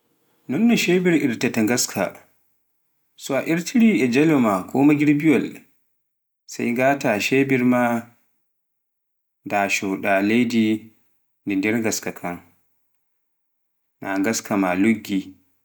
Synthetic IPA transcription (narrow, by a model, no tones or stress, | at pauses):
nɔmnɛʃeːbiɾʔiɾtataŋɡaskʰa̰ | sɔaʔiɾtʰiɾiʔɛd͡ʒɛlɔmakʰɔːmaɡiɾbiwal | sa̰jŋɡaːtaʃeːbiɾma | daʃɔɗalejdi | ndɛndɛɾŋɡaskakʰaŋ | naŋɡaskʰamaluɡːi